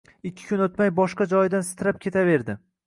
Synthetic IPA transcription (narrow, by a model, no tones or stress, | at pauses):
ɪkʲʰːɪ̥kʰʲʊnot̪majbɒʃqɑd͡ʒɒjɪd̪ansɪ̥t̪ʰɪɾap̚kʲʰe̞t̪ʰave̞ɾd̪ɪ